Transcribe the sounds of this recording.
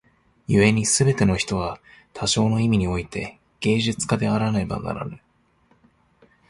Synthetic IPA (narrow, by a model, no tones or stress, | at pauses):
jɯe̞ɲ̟isɨbe̞t̪e̞no̞çi̥t̪o̞βat̪ʰaɕo̞ːno̞imʲiɲ̟io̞it̪e̞ | ɡ̥e̞ːʑɨt͡sɨ̥kad̪e̞aɾanaiba̰na̰ɾa̰nɯ̟